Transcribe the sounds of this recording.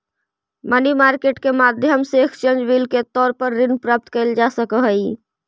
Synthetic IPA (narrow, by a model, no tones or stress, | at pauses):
mənimaɾkeʈkemad̪ʱjəmseːkt͡ʃend͡ʒʋilket̪ɔːɾpəɾːinpɾaːp̚t̪kəɪld͡ʒasəkəɦəji